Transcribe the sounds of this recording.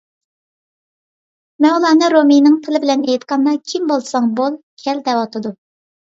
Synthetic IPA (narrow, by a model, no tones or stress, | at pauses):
mɛnulˠɑːnɨɾominɨŋt̪ʰɨlɪbɪlɛnejt̪qɑnːɑkʲʰimbolˠsɑŋbolˠkʲʰɛld̪ɛwɑt̪ʰɨd̪u